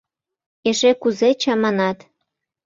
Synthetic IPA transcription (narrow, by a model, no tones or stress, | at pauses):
eʃekuzet͡ɕɑmɑnɑt̪